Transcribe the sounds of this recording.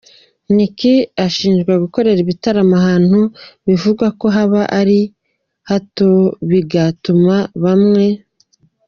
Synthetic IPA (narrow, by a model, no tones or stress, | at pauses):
nikiaʃiːnd͡ʒɡwaɡuko̞ɾe̞ɾiβitaɾamaɦaːn̥huβivuɡwako̞ɦaβaʔaɾi | hatoβiɡatumaβamŋe̞